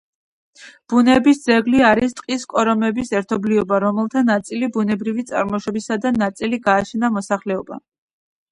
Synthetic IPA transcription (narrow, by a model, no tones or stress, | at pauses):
b̥unɛbisd̪zɛɡliaɾist̪ʼqʼiskʼɔɾɔmɛbisɛɾt̪ʰɔbliɔbaɾɔmɛlˠt̪ʰanat̪sʼilibunɛbɾivit̪sʼa̰ɾmɔʃɔbisad̪anat̪sʼiliɡaːt͡ʃʰnamɔsaχlɛɔba̰